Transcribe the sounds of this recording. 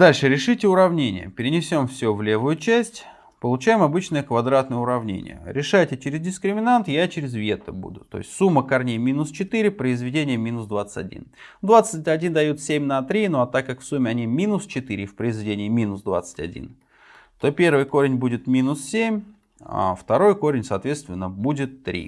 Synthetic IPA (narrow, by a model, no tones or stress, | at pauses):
d̪alʲʂɨɾʲɪʂɨtʲɪʊɾɐvnʲenʲɪ̰jə̰pʲɪɾʲɪnʲɪsʲo̞mfsʲɵvlʲe̞vʊjʊt͡ɕæsʲtʲ | pəlˠʊt͡ɕæjɪmɐbɨt͡ɕnəjəkvɐd̪ɾat̪nəjəʊɾɐvnʲḛnʲɪ̰jə̰ɾʲɪʂajtʲɪt͡ɕɪɾʲɪzdʲɪskɾʲɪmʲɪnant̪jat͡ɕɪɾʲɪzvʲe̞t̪əbṵd̪ʊt̪o̞̰jɪsʲtʲsumːəkɐrnʲejmʲinʊst͡ɕɪt̪iɾʲɪpɾəɪzvʲɪdʲenʲɪjəmʲinʊsd̪vat̪sə̥tʲɐ̰dʲḭnd̪vat̪sɨt̚ʲɐdʲind̪ɐjut̪sʲemʲnɐt̪ɾʲinoɐt̪akːakfsumʲɪɐnʲimʲinʊst͡ɕɪt̪ɨɾʲɪfʲpɾəɪzvʲɪdʲenʲɪjəmʲinʊsd̪va̰t̪sə̥tʲɐ̰dʲḭn | t̪opʲe̞rvɨjko̞ɾʲɪnʲbudʲɪt̪mʲinʊssʲemʲ | a̰ft̪ɐɾo̞jko̞ɾʲɪnʲsɐːt̪vʲe̞t̪st̪vʲɪnːəbudʲɪt̪ːɾʲḭ